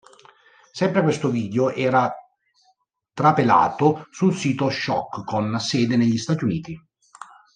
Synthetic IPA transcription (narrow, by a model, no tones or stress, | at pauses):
sɛmpɾekwest̪oviːd̪eoʔɛːɾa | t̪ɾapela̰ːt̪osulsiːt̪oʃɔ̰kːkːonsɛːd̪eneʎːist̪aːt̪iuniːt̪i